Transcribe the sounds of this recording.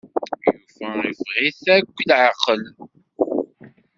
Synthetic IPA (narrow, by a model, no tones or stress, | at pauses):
jufəifʁiθækʷːlʕaqəl